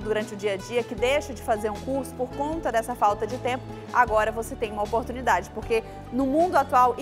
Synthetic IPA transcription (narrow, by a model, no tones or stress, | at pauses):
d̪uɾɐ̃nt͡ʃɪʊd͡ʒiɐd͡ʒiɐkɪd̪ejʃɐd͡ʒɪfazeɾũkuɾsʊ̥poɾkõnt̪ɐd̪ɛsɐfawt̪ɐd͡ʒɪt̪ẽpʊ | aɡɔɾɐvoset̪ẽj̃ũmɐopoɾt̪unid̪ad͡ʒɪpoɾke | nʊmũnd̪ʊat̪uawʔ